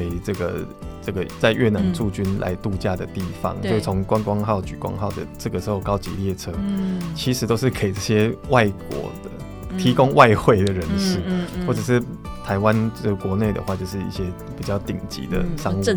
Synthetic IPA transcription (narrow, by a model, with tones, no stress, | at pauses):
e˧˩ɪʈ͡ʂɤ˥˩ɡə̰˩ | ʈ͡ʂɤ˥˩ɡə˩t͡sa˥˧ɪɥʔɛ˥˩na˧˦nʈ͡ʂu˥˩t͡ɕy˥nlʔa̰˧˦ɪt̪u˥˧t͡ɕja˥˩d̪ə̰˩t̪i˥˩fɑ̰˧˦ŋɔ˥˧˥t͡sʰo˧˦ŋkwa˦˥nkwɑ˥ŋxɑ˥˩ʊt͡ɕy˨˩kwɑ̰˥ŋxɑ˥˩ʊd̪ə̰˩ʈ͡ʂɤ˥˩ɡə˩ʂɻ̩˧˥xo˥˩ʊkɑ˥ʊt͡ɕḭ˧˦ljɛ˥˩ʈ͡ʂʰɤ˥t͡ɕʰi˧˥ʂɻ̩˧˥t̪o˥ʊʂɻ̩˥˩kʰe˧˨˩i˨ʈ͡ʂɤ˥˩ɕjɛ˦˥wa˥˩ɪkwɔ̰˧˥d̪̥ə˨ | t̪ʰi˨˥ko˦ŋwa˥˧ɪxwe˥˩ɪd̪ə˩ɻə˧˦nʂ̩˥˩xwɔ˥˩ʈ͡ʂɤ˨˩ʂɻ̩˥˩ | t̪ʰa˧˥ɪwa˦nə˥˩kwɔ˧˦ne˥˩ɪd̪ə̰˨xwa˥˧t͡ɕjo˥˧ʊʂɻ̩˥˩ḭ˥˩ɕjɛ˦˥ | pi˨˩t͡ɕjɑ˥˩ʊt̪ḭ˨˩ŋt͡ɕḭ˧˦d̪ə̰˧˨ʂɑ˥ŋ˥˧